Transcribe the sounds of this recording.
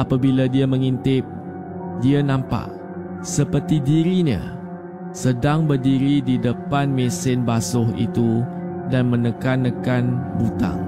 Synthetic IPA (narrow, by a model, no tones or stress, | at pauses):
apabiladiamə̃ŋint̪ɪp̚ | dianãmpa̰ʔ | səpərt̪idiɾiɲa̰ | sədaŋbərdiɾididəpanmesɪnbasʊhḭt̪udanmə̃nəkanːəkanbut̪a̰ŋ